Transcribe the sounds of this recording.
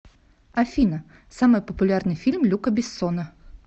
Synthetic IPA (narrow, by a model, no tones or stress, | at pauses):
ɐfʲinə | samɨjpəpʊlʲarnɨjfʲilʲmlʲukəbʲɪsːonə